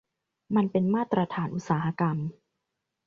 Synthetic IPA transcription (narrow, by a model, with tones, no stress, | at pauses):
ma˧npe˧nmaː˥˩t̪ɾa˧t̪ʰaː˩˦nʔu˧˦t̪̚saː˩˦ha˧ka˧m